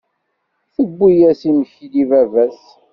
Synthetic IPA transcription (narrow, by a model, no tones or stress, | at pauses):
θəɡʷːijæsiməçilivævæs